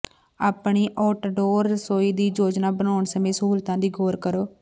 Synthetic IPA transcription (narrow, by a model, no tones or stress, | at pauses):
aːpɳiːʔɔːʈːɖoːɾːəsoːiːd̪iːd͡ʒoːd͡ʒnaːbənaːɳsəmẽːsəɦuːlt̪ãːd̪iːɡoːɾkəɾoː